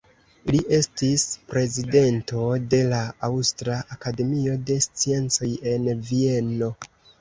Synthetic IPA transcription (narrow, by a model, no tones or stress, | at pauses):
liʔe̞stispɾe̞zide̞nto̞de̞laawstɾaʔakade̞mio̞de̞st͡sie̞nt͡so̞je̞nvie̞no̞